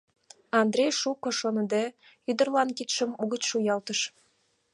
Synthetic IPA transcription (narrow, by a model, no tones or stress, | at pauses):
ɑnd̪rʲejʃukoʃonə̆d̪e | yd̪ərlɑnkit̪ʃə̆muɣət͡ɕʃujɑlt̪əʃ